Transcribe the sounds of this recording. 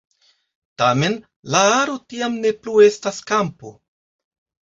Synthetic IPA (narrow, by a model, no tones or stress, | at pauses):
tame̞n | laaɾo̞tiamne̞plue̞staskampo̞̰